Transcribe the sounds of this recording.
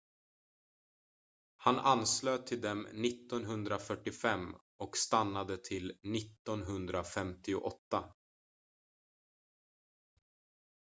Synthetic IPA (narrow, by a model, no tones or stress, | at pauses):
hanansløːt̪ʰɪld̪ɛmnɪt̪ːɔnɦɵnd̪ɾafœʈːɪfɛmː | ɔkst̪anːad̪ət̪ʰɪlnɪt̪ːɔnɦɵnd̪ɾafɛmt̪ɪʊ̰ʔɔt̪ːa